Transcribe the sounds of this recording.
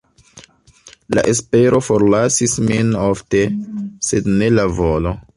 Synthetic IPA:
la̰ʔe̞spe̞ɾʔo̞foɾlasisminofte̞se̞dne̞lavolo̞

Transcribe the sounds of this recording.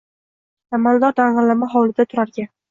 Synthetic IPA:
amalˠd̪ɒɾd̪aɴʁɑlamaɦɒwlɪd̪at̪ʰʊɾaɾɡʲa

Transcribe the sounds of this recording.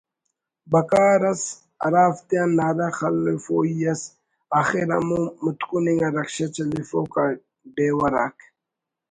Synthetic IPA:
bɐkaːɾɐs | ɐ̰ɾaːft̪ijanːaɾaxɐlfoijɐs | axeɾɐ̰mumʊt̪kuniŋɡaɾɐkʃat͡ʃɐlifoka | ɖeːwɐɾa̰k

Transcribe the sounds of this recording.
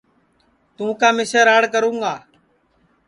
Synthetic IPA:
t̪ũːkaːmɪseːɾaːɽkəɾũːŋɡaː

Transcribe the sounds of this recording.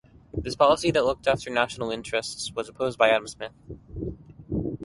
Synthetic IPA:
ðɪspʰɑlˠəsiðətˡlʊk̚tæftə˞næʃn̩l̩ˠɪ̃nt͡ʃɹ̥ɨstswʌzəpʰoʊzbaɪæɾm̩smɪθ

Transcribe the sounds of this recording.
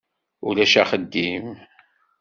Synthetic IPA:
ulæʃæχəd̪ːim

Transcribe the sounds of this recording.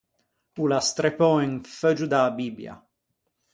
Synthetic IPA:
ulast̪ɾepɔiŋfød͡ʒud̪abibja̰

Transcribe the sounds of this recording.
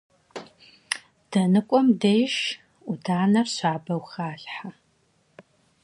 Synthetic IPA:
d̥ɐnɨkʷʼɔmdejʃ | udaːnɐrɕaːbɐwxaːɬħa

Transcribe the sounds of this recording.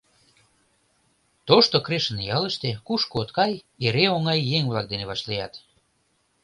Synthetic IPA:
t̪oʃt̪okɾeʃənjɑləʃt̪ekuʃkoot̪kɑj | eɾeoŋɑjːeŋβlɑk̚d̪eneβɑʃlijɑt̪

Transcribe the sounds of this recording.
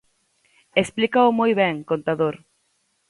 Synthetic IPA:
esplikaʊmojβɛŋkõnt̪aðoɾ

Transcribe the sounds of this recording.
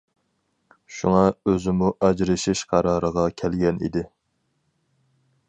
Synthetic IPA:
ʃuŋɑøzɪmuʔɛd͡ʒɾɨʃɪʃqʰɑɾɑːɾəʁɑkʲʰɛlɡʲɛnḭd̪ɪ

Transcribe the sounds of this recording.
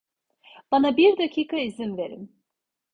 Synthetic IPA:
b̥anabiɾd̪acʰiːkʰaizimve̞ɾḭm

